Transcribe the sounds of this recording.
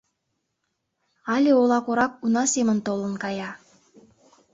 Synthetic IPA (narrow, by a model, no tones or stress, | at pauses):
ɑlʲeolˠɑkoɾɑk̚unɑsemə̆nt̪olə̆nkɑjɑ